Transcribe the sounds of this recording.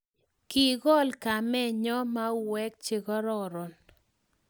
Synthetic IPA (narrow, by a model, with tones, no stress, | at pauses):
ki˨ɡɔ˦˨lka˨mɛ˦ɲɔ˦ma˦wɛ˦k̚t͡ʃɪ˨ɡɔ˦ɾɔ˦ɾɔ˨n